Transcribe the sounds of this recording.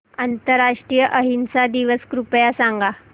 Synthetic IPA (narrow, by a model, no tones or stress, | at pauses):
ant̪əɾːaʂʈɾijəʔəɦinsad̪iʋəskɾupjasaŋɡa